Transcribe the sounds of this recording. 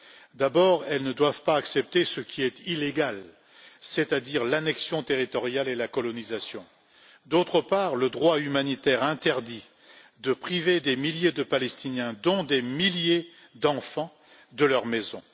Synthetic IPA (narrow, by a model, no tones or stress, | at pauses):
d̪abɔʁɛlnəd̪wavpaːksɛp̚t̪esəkʲʰiɛt̪ileɡal | set̪ad̪iʁlanɛksjɔ̃t̪eʁit̪ɔʁjalelakɔlɔnizasjɔ̃ | d̪ot̪χəpaʁləd̪ʁwaymanit̪ɛʁɛ̃t̪ɛʁd̪i | d̪əpχived̪emiljed̪əpalɛst̪injɛ̃d̪ɔ̃d̪emilje | d̪ɑ̃fɑ̃ | d̪əlœʁmɛzɔ̰̃